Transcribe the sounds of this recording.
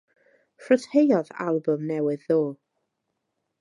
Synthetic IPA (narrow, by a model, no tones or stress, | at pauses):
fəthejɔða̰lˠbʊmnɛwɨðoː